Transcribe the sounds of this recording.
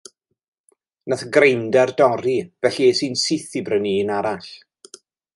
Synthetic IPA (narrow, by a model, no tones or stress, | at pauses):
naθɡrejndɛrdɔɾiv̥ɛɬiɛsiːnsɪθibrəniːnaɾaɬ